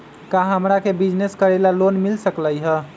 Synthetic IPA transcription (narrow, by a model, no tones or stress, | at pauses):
kaɦəmɾakebid͡ʒneskəɾelalonmilsəkləjɦə